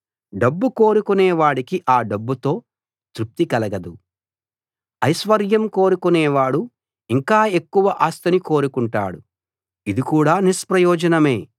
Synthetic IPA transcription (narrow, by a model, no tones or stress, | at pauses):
ɖɐbːuko̞ːɾukuneːʋaːɽikiʔaːɖɐbːut̪o̞ː | t̪ɾup̚t̪ikɐlɐɡɐd̪u | ɐjʃʋɐɾjɐmko̞ːɾukuneːʋaːɽu | iŋkaːe̞kːuʋɐʔaːst̪ɐniko̞ːɾukuɳʈa̰ːɽu | id̪ikuːɽaːnispɾɐjɔːd͡ʒɐnɐme̞ː